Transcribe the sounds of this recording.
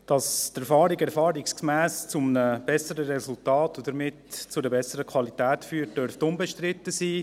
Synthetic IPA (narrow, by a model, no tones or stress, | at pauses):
d̥ɑstɛɾfɑːɾiɡɛɾfɑːɾikskmæːst͡sʊmənəb̥ɛsəɾəɾɛsʊltɑːtod̥əɾmɪtt͡sʊdəbɛsəɾəkʰwɑlitæːtfyːəɾt̚d̥œɾftʊmbeʃtɾɪtːəsiː